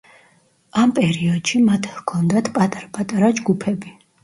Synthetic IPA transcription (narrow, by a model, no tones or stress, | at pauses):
ampʼɛɾiɔd̪̥ʃimat̪ʰhkʰɔnd̪at̪ʰpʼat̪ʼaɾpʼat̪ʼaɾad͡ʒɡupʰɛbi